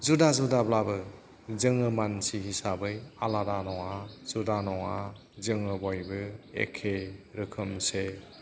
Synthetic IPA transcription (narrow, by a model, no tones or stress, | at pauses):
zudazudablabɯ | zɯŋɯmansihisabɯjaladanɔŋazudanɔŋa | zɯŋɯbɔjbɯḛkʰeɾɯkʰɯmse